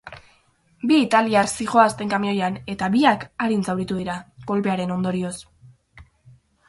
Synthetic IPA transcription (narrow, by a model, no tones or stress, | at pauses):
biːt̪aliaɾsiɣo̞ast̪e̞ŋkamio̞jane̞t̪aβiakaɾinsawɾit̪uðiɾako̞lpe̞aɾe̞no̞nd̪o̞ɾio̞s